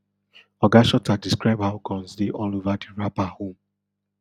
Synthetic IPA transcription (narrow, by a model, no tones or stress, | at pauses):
ɔɡaʃɔtadiskɹaɪb̚haʊkʰɔ̃nsdeʔɔlovadiɹapahõm